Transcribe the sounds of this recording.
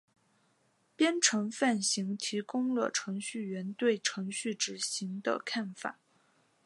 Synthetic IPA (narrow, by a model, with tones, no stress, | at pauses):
pjɛ˥nʈ͡ʂʰɤ˧˥ŋfa˥˩nɕi˧˥ŋt̪ʰi˧˥kʊ˥ŋlə̰˨ʈ͡ʂʰɤ˧˥ŋɕy˥˩ɥɛ˧˥nt̪we˥˩ɪʈ͡ʂʰɤ˧˥ŋɕy˥˩ʈ͡ʂɻ̩˨˩ɕi˧˥ŋd̪ə̰˧kʰa˥˩nfa̰˨˩˦